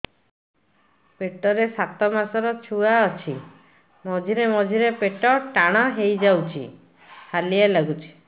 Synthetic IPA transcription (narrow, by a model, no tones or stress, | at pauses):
peʈɔɾesat̪ɔmasɔɾɔt͡ʃʰuaɔt͡ʃʰi | mɔd͡ʒʱiɾemɔd͡ʒʱiɾepeʈɔʈaɽ̃ɔɦejd͡ʒawt͡ʃʰḭ | halialaɡut͡ʃʰi̥